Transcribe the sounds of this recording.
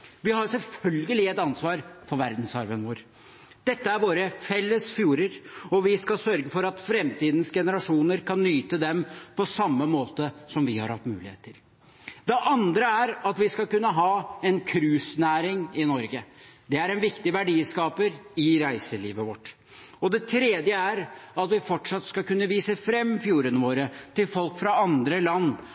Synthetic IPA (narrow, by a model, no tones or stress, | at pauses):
ʋɪhɑɾsɛlfœlɡəlɪɛt̪ɑnsʋɑːɾfɔɾʋæɾd̪n̩sɑɾʋənʋoːɾ | d̪̥ɛt̪ːəæɾʋoːɾəfɛlːəsfjuːɾəɾɔʋɪskɑlsœɾɡəfɔɾɑt̪fɾɛmt̪iːd̪n̩sɡɛnəɾɑʂuːnəɾkɑnːyːt̪əd̪ɛmpʰɔsɑmːəmoːt̪əsɔmʋɪhɑ̰ɾhɑt̪ːmʉ̰ːlɪ̰hḛːt̪ʰːɪl | d̪ɛʔɑnd̪ɾəæɾɑt̪ʋɪskɑlkʉnːəɦɑːɛnkʰɾʉːsnæːɾɪŋɪnɔɾɡəd̪ɛæɾɛnʋɪkt̪ɪʋæɖiskɑːpəɾɪɾæɪsəlḭːʋəʋɔʈː | ɔd̪ɛt̪ʰɾeːd̪jəæɾɑt̪ʋɪfɔʈʂɑt̪ːskɑkʉnːəʋiːsəfɾɛmːfjuːɾənəʋoːɾət̪ɪlfɔlkfɾɑɑnd̪ɾəlɑnː